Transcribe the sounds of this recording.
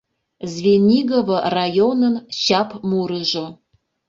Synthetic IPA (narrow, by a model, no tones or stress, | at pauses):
zvʲenʲiɡəvərajonənɕapmuɾəʒo